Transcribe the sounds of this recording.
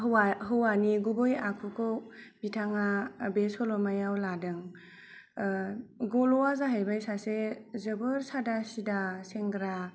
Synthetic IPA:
ɦwaɦɯwaniɡubɯjakʰukʰowbitʰaŋabesɔlɔmajawladɯŋ | ɡɔlɔwazaɦajbajsasezɯbɯɾsadasidaseŋɡɾa

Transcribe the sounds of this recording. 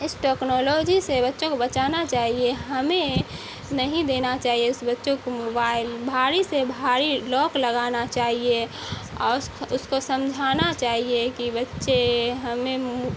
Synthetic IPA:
ɪsʈeknoloːd͡ʒisebətːʃõkobətt͡ʃaːnat͡ʃaːɦieɦəmẽ | nəɦĩd̪eːnat͡ʃaːɦijeʊsbətːʃõkomobaːɪlbʱaːɾisebʱaːɾilɔːkləɡanat͡ʃaːɦieɔ̰ːɾsʊskosəmd͡ʒʱaːnat͡ʃaːɦiekibətːʃeɦəme

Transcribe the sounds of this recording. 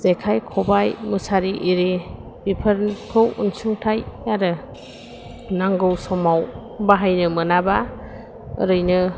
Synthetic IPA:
zekʰajkʰɔbajmɯsaɾiʔiɾi | b̥ipʰəɾnkʰɯwṵnsuŋtʰajaɾɯ | naŋɡɯwsɔmaw | baɦajnɯmɯnaba | ɯ̰ɾɯjnɯ

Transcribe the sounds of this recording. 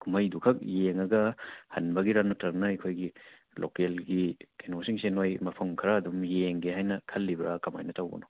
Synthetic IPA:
kʰumɐjdukʰɐk̚jeŋɐɡɐhɐnbɐɡiɾanɐtɐŋnɐɐjkʰojɡi | lʔo̰kelɡikenosiŋsenojmɐpʰɐmkʰɾɐːdumjeŋɡehajnɐkʰɐlːibɾakɐma̰jnɐtawbɐ̰nɔ

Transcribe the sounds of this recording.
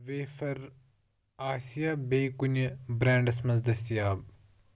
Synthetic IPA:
ʋeːfɐɾ | aːsijabeːkunbɾãːɳɖɐsmɐzd̪ɐsijaːb

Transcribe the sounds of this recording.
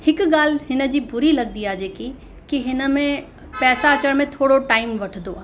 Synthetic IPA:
hɪkɠaːl̤ɦɪnə̆d͡ʑiːbʊɾilɐɡd̪iaːd͡ʑeːki | kiɦɪnə̆mẽ | pɛːsaɐt͡ɕəɽ̃mẽt̪ʰoːɽoʈaːɪmʋɐʈʰnd̪oaː

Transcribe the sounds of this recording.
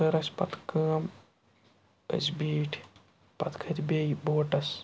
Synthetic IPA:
əɾɐsʲpɐ̰t̪kəm | ə̰sbiːʈʰ | pɐ̰t̪ʰkʰɐt̪ʰʲbeboːʈɐs

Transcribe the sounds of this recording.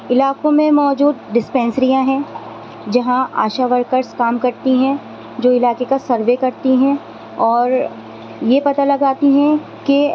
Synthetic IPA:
ɪlaːkõmẽmɔːd͡ʒuːd̪ɖɪspɛ̃ːnsɾijãɦɛ̃ː | d͡ʒɐɦãa̰ːʃaʋɐɾkəɾskaːmkɐɾt̪iɦɛ̃ | d͡ʒoːɪlaːkekasɐɾʋekɐɾt̪iɦɛ̃ | ɔːɾ | jepɐt̪alɐɡaːt̪iɦɛ̃ | ki

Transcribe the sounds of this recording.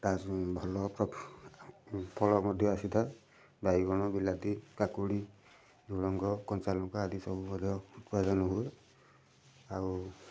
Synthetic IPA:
t̪asbʱɔlɔpɾɔ | pʰɔlɔmɔd̪ʱjɔasit̪ʰɔ | baiɡɔñɔbilat̪ikakuɽi | zulɔŋɡɔkɔnt͡ʃalɔŋkaadisɔbumɔd̪ʱjɔutpadanɔɦu | au

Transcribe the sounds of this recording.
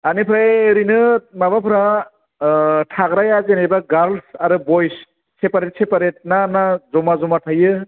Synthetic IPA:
anipʰɯɾajeɾinɯmaβapʰɯɾa | tʰaɡɾajazenebaɡaɾlsaɾɯbɔjs | sepaɾet̚sʰepaɾet̚nanazɔmazɔmatʰajɯ

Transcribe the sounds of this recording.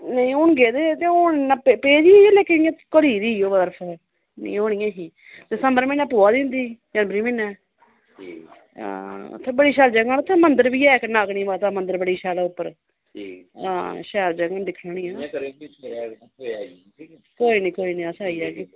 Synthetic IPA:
nəĩʊnɡeːd̪eːt̪eːonapːpeːd͡ʒiːelɛːkɪnɪjãːkəɾiːd̪iːoːbat̪əɾfʰ | nḭ̃ːoːñijãːɦiː | d̪ɪsəmbəɾmɛ̃ːnãːpoːaːd̪ɪ̃nd̪iːd͡ʒaːnbɾiːmɪnːɛ̃ː | ã̰ːʊ̰t̪ʰːẽːbəɽiːʃɛːld͡ʒəŋɡant̪ʰːẽːmənd̪əɾbiːɛːknaːɡɳĩːbaːt̪ãːmənd̪əɾbəɽiːʃaːlɛːʊpːəɾ | ã̰ːʃɛːld͡ʒəŋɡand̪ɪkʰnaːɳĩːãː | koːiːnĩːkoːiːnĩːaːsaːiːɛːke

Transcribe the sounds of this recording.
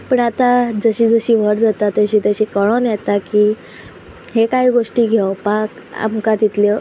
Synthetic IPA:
pəɳat̪ad͡zəɕiːd͡zəɕiːʋ̤əɽd͡zat̪at̪ːəɕiːt̪əɕiːkəɭ̃onjɛt̪akiː | hekaɦiːɡoʂʈiːɡʱewpak | a̰mkat̪it̪le

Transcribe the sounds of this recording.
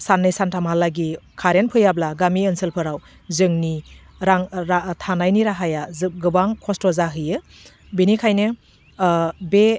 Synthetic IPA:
sanːɯjsantʰamalːaɡikʰaɾenpʰɯjablaɡamiɯnsɯlpʰɯɾaw | zɯŋni | ɾaŋɾatʰanajniɾaɦajazɯɡɯbaŋkʰɔstɔzaɦɯjɯ | binikʰajnɯ | be

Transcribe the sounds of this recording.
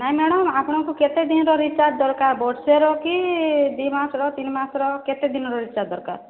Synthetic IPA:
naɦĩmeɽɔmapɔɽ̃ɔŋkuket̪ed̪inɔɾɔɾit͡ʃad̪ɔɾkaɾbɔɖseɾɔkid̪wimasɔɾɔt̪inmasɔɾɔket̪ed̪inɔɾɔɾit͡ʃaɾd̪ɔɾka̰ɾ

